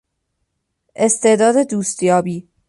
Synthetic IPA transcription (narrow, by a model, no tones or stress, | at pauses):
ʔe̞st̪ʰe̞d̪ɒːd̪e̞d̪uːst̪jɒːbiː